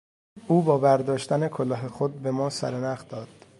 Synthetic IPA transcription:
ʔuːbɒːbæɾd̪ɒːʃt̪æne̞kʰolɒːɦexod̪̚be̞mɒːsæ̰ɾenæχd̪ɒːd̪̥

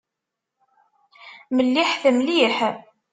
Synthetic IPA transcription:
məlːiħθəmliħ

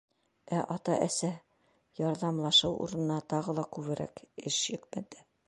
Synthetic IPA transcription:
æʔɒt̪ɑ̰ʔæsæ | jɒɾðɑmlˠɑʃɤwʔṵɾɤ̆nɤ̆nɑt̪ɒʁɤ̆lˠɑkʉβɘ̆ɾʔæ̰kɘʃjɘ̆kmæd̪ɘ

